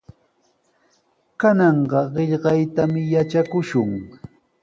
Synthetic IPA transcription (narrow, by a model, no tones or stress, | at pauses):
kanɑɴɢɑɢɪʎɢɑjt̪amɪjat͡ʃakʊʃʊŋ